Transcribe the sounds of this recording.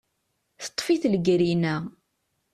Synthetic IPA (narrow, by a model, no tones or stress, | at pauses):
θə̥t̪ˤːfiθləɡɾinæ